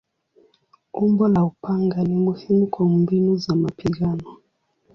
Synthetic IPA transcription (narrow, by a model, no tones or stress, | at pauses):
umbɔlaupaŋɡanimuhimukʰɔmbinuzamapiɣanɔ